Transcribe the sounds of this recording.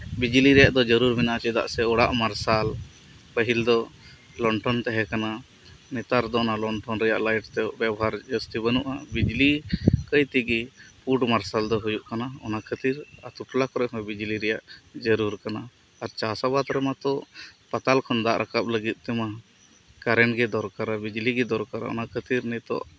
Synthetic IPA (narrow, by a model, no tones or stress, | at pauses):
bid͡ʒliɾɛjaʔd̪ɔd͡ʒəɾuɾmɛnaʔt͡ʃɛd̪a̰ʔsɛɔɽaʔmaɾsal | pəɦild̪ɔ | lɔɳʈɔnt̪ɛɦɛkana | mɛt̪aɾd̪ɔɔnalɔɳʈɔnɾɛja̰ʔlajʈt̪ɛʔbjabɔɦaɾd͡ʒəst̪ibənuʔabid͡ʒlikəjt̪iɡipuʈmaɾsald̪ɔɦujuʔkanaɔnakʰət̪iɾa̰t̪uʈlakɔɾɛɦɔ̃jbid͡ʒliɾɛjaʔd͡ʒəɾuɾkana | aɾt͡ʃasabat̪ɾɛmat̪ɔʔpat̪alkʰɔnd̪aʔɾʔakap̚ləɡit̪̚ˀt̪ɛma | kaɾɛɳɡɛd̪ɔɾkaɾabid͡ʒliɡɛd̪ɔɾkaɾa̰ɔ̰nakʰət̪iɾnɛt̪ɔ̰ʔ